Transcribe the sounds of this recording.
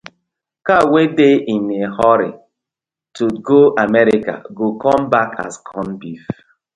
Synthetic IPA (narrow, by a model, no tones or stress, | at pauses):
kawedeinehɔɾḭ | tuɡoʔamɛɾika̰ɡokɔ̃mbaka̰skʰɔ̃nbif